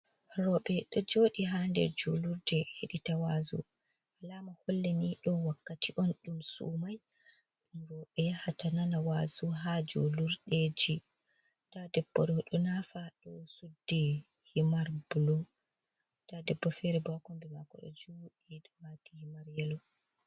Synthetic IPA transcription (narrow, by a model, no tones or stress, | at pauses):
ɾɔɓɛɗɔd͡ʒoɗiɦandɛ̰ɾd͡ʒoluɾdɛheɗitawazṵ | ʔalamaholːɛniɗɔwakːatiʔɔnɗumsṵmaj | ɗumɾɔɓɛhatananawazuɦad͡ʒo̰luɾɗed͡ʒi | d̥adɛbːɔɾɔɗɔnafaɗɔsudːi | himaɾbulɔ | d̥adɛbːɔfɛɾɛbakɔmbɛmakɔ̰ɗɔ̰d͡ʒoɗiɗɔmatihimaɾjɛlɔ